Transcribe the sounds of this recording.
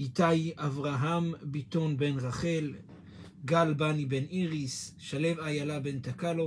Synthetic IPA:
ʔit̪ajavʁaɦambit̪onbe̞nʁaχe̞l | ɡalbanibe̞nʔiʁisʃale̞vajalabe̞nt̪akalo

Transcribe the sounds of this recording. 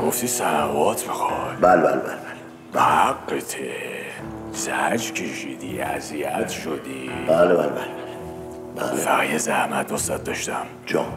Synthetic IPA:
ɡoft̪isænævɒːt̪ʰbexɒjbælebæ̰lebælebæle | behæɡːet̪ʰe | zæd͡ʒcʰeʃid̪iæ̰ziæt̪ʰʃod̪ibaleba̰lebælebæle | bæ̰lefæɣijezæhmæt̪̚nosd̪æt̪̚d̪ɒʃt̪æm | d͡ʒɒ̰m

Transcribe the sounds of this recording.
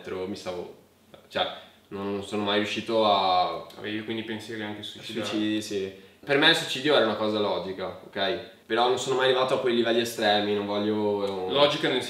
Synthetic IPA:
t̪ːɾomist̪aːvo̰ | t͡ʃoɛ | nonsoːnomajɾjuʃːiːt̪oaa̰vevikwind̪ipensjɛɾiaŋkesuit͡ʃsiuit͡ʃid̪isipermelswuit͡ʃiːd̪joɛːɾaunakɔːzalɔːd͡ʒikaokːɛj | peɾɔnonsoːnomajalevaːt̪oakwejlivɛlːiest̪ɾɛːminoɱvɔʎːolɔːd͡ʒikanens

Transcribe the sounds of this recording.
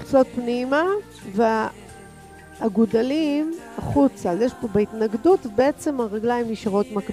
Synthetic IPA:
t͡so̞t̪̚pnima | ve | aɡudalimaχut͡saljeʃpo̞beit̪naɡdut̪beet͡se̞maʁaɡlaimjiʃaʁo̞tmak

